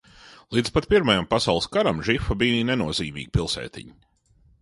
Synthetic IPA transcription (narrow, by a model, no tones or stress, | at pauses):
lˠid̪zpat̪̚pʲiɾmajampasawlˠskaɾamʒifabijnɛnuɔziːmḭːɡipʲilˠsɛ̰ːt̪ʲḭɲi